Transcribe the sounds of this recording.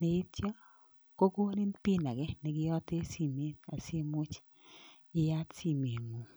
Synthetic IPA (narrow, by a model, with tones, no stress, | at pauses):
ne˨i˦t͡ʃa˦ | ko˦ko˦ni˦npi˦na˨ɡɛ˦nɛ˨ɡɪ˦ɔ˦te˦si˨mi˦a˨si˦mʊ˦t͡ʃ | ɪ˦ja˦tsi˦˨me˨ŋo˨